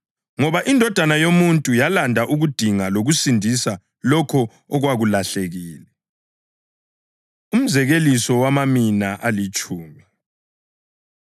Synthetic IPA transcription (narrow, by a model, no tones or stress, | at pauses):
ŋɔβaʔindʱɔd̥ʱanajomuntʼujalandʱaʔuɣud̥ʱiŋaloɣusindʱisa | lɔkʰɔ | ɔɣwaɣulaɬeɣiːlɛ | um̩zɛɣelisɔwamaminaʔalit͡ʃʼuːmi